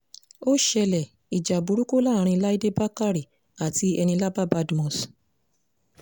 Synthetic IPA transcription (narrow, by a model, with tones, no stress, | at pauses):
o˦ʃɛ˧lɛ˨ | i˨d͡ʒa˨bu˨˦ɾu˦ko˦la˦˨˦ɾ̃ĩ˧la˦i˦de˦ba˦ka˦ɾi˦˨ | a˨ti˧ɛ˧nĩ˧la˦ba˦ba˦dmɔ̃˨s